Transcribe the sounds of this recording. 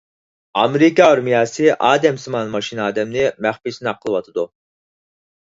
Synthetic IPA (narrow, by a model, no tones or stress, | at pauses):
ɑmeɾikɑɑɾmijɑːsɨʔɑːd̪ɛmsɨmɑnmɑʃinɑːd̪ɛmnɪmæχpisnɑqʰːəlˠɨwɑt̪ʰɨd̪u